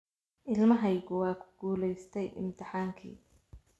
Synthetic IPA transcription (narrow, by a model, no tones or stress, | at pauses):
ʔɪlmɐɦɛjɣʊwɑːkʰʊ̥ɡ̥uːlɛjst̪ʰɛjʔɪ̰mt̪ʰɪħaːŋkʰḭː